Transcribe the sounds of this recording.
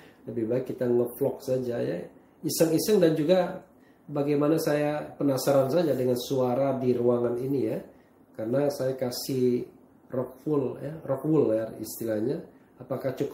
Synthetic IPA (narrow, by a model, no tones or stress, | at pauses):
ləbihbajakit̪aŋəflɔk̚sad͡ʒaja̰ | isəŋisəŋdand͡ʒuɡa | baɡajmanasajapənasaɾansad͡ʒadəŋansuaɾadiɾuaŋaninija | karənasajakasih | rɔk̚fʊljarɔkwʊlarḭst̪ilahɲaː | pakaht͡ʃək